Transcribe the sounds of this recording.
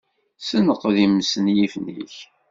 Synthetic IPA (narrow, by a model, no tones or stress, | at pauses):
sənəqːðimːəsənjifnḭç